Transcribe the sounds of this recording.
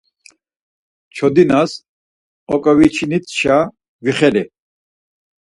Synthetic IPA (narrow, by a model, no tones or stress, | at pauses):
t͡ʃʰɔd̪inas | ɔkʼɔvit͡ʃʰinit̪ʰʃa | viχɛli